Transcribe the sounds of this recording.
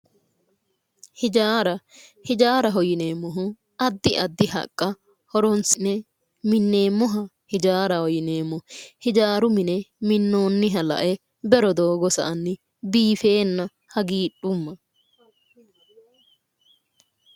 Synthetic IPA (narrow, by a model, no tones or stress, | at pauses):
hɪd͡ʒaːɾɐhɪd͡ʒaːɾɐɦɔjɪne̞ːmːɔɦʊ | ɐd̪ːɪʔɐd̪ːɪhɐ̰kʼːɐ | hɔɾɔnsɪnɛ | mɪnːe̞ːmːɔɦɐ | hɪd͡ʒaːɾɐhɔjɪneːmːɔhɪd͡ʒaːɾʊmɪnɛmɪnːo̞ːnːɪɦɐlɐ̰ʔɛ | bɛɾɔd̪oːɡɔsɐ̰ʔɐnːɪ | biːfe̞ːnːɐ | hɐɡiːɗʊmːɐ